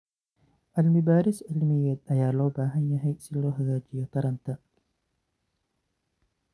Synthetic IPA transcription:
ʔɐlmɪbaːɾɪsɪlmɪjɛt̪̚ɐjaːlɔːbaːɦɐnjɐɦɐjsɪlɔːɦɐɡaːd͡ʒɪjɔkɐɾɐnt̪ɐ

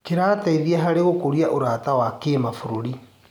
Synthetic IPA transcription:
keɾaːtaiðiaɦaɾeɣokoɾiaʔoɾatawakeːmafuɾoɾi

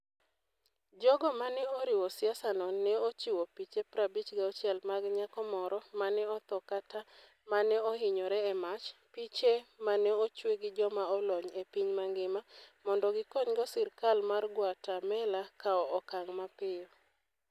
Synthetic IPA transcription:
d͡ʒɔɡɔmanɛoɾɪwɔsɪasanɔnɛot͡ʃiwopit͡ʃepɾabit͡ʃɡaɔt͡ʃjɛlmaɡɲakɔmɔɾɔmanɛɔt̪ɔkata | manɛɔɦɪɲɔɾɛɛmat͡ʃpit͡ʃemanɛot͡ʃweɡɪd͡ʒɔmaɔlɔɲepiɲmaŋɡɪmamɔndɔɡɪkɔɲɡɔsɪrkalmarɡwatamɛlakaɔɔkaŋmapɪ

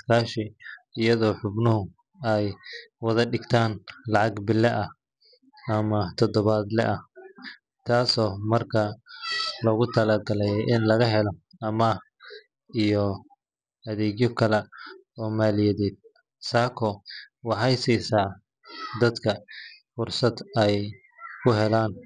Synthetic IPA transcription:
kʰaːʃɪɪjɐðɔːħʊbnʊɦʊ | ɛjwɐðɐɖɪɡt̪ʰaːnlɑʕɑɡbɪlːɛʔɐh | ɐmɐt̪ʰɔd̪ɔβaːd̪lɛ̰ʔɐh | t̪ʰaːsɔːmɐrkʰɐ | lɔɣʊt̪ʰɐlaːɡɐlɛjʔɪnlɐɣɐɦɛlɔ | ɐma | ijɔ | ɐðɛːɡjɔkʰɐlɛ | ɔːmaːlɪjɛðɛːd̪̚ | saːkʰɔwɑħɑjsɛjsaː | d̪ɐd̪kʰɐfʊrsɐd̪ɛj | kʰʊɦɛlaːn

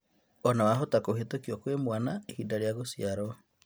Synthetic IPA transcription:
ɔnawaɦotakoɦetokiɔkwemwanaehidaɾeaɣosiaɾɔ

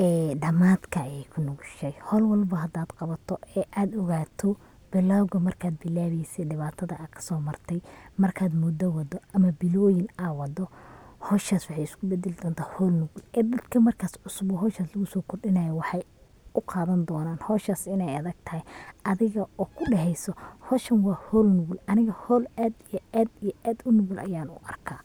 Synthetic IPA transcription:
ɛːɖɐmaːd̪kʰɐːjɛjkʰʊnʊɡʃɛjhɔlwɑlbɐɦɐd̪aːd̪qɑβɐt̪ʰɔɛːʔaːd̪ɔɣaːt̪ʰɔ | b̥ɪlaːwɣɐmɐrkʰaːd̪̚bɪlaːβɛjsɛɖɪβaːt̪ʰɐðɐʔɐkʰɐ̥sɔːmɐrt̪ʰɛjmɐrkʰaːd̪mud̪ɐwɑd̪ɔɐmɐbɪlɔːjɪnawɑd̪ɔhɔːʃaːswɑħɑjɪskʰʊbɛd̪ɛlɪd̪ɔːnt̪ʰaːhɔːlnʊɣʊlɛːd̪ɐd̪̥kʰɐmɐrkʰaːsʕʊsʊbɔɦɔːʃaːslɐɣʊsɔːkʰʊrɖɪnɐjɐwɑħɑj | ʊqɑːðɐnd̪ɔːnaːnhɔːʃaːsɪnɛjɐðɐɡ̚t̪ʰɐhɛjɐðɪɣɐʔɔːkʰʊɖɛɦɛjsɔhɔːʃɐnwɑːhɔːlnʊɣʊlɐnɪɣɐhɔːlaːd̪ijɔaːd̪ijɔʔaːd̪ʊnʊɣʊlʔɐ̰jaːnʊ̰ʔɐ̰rkʰaː

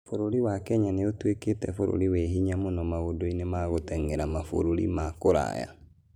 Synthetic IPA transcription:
foɾoɾiwakɛɲaneotweketɛ̰foɾo̰ɾiweɦiɲamonɔmaɣodoinemaɣotɛŋeɾamafo̰ɾoɾḭmakoɾa̰ja̰

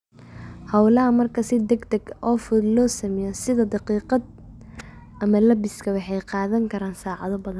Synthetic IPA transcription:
hɑwlɐɦɐmɐrkʰɐsɪd̪ɛɡd̪ɛɡʔɔːfʊd̪lɔːsɐmɛjɔsɪðɐd̪ɑqiːqɑd̪ | ʔɐmɐlɐbɪskʰɐwɑħɑjqɑːðɐŋkʰɐɾaːnsaːʕɑðɔbɐðɐn

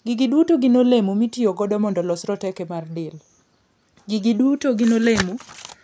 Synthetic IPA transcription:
ɡɪɡidwutoɡɪnolemomitioɡɔdɔmɔndɔlɔsɾɔtɛkɛmardɪl | ɡiɡidwutoɡinolemu

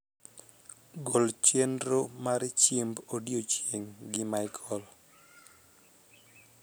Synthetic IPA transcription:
ɡolt͡ʃendɾomaɾt͡ʃimbodjot͡ʃjeŋɡɪmaɪkʰɔl

